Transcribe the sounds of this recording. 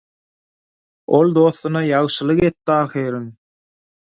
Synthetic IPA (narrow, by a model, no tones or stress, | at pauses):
o̞lˠd̪o̞θːɯnɑjɑʁʃɯlˠɯɣet̪ːɑːxiːɾɯn